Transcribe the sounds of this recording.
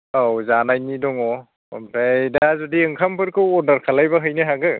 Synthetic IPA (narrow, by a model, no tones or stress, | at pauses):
awzanajnidɔŋɔ | ɔ̰mtʰajdazɔdiɯŋkʰampʰɯɾkʰɯwɔɾdaɾkʰalajbaɦɯjnɯɦaɡɯ